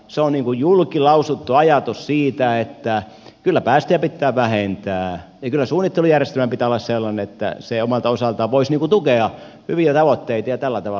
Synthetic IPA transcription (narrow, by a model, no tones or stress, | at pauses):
seonniːŋkujjulkilɑusut̪ːuɑjɑt̪ussiːt̪æet̪ːæ | kylːæpæːst̪eæpit̪ːæːʋæhent̪æːjɑkylːæsuːnːˑit̪ːelujærjest̪elmæmpit̪æːolːɑsselːɑneet̪ːæ̰seomɑlt̪ɑosɑlt̪ɑʋʋoisniːŋkut̪ukeɑ | hyʋiæt̪ɑʋot̪ːeit̪ɑjɑt̪ælːæt̪ɑʋɑ